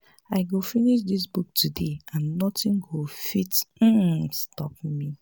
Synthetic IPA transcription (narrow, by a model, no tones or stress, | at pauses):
aɪɡofiniʃ̬dis̬buk̚tʰudeãnːɔtĩnɡofitm̩stɔp̚mi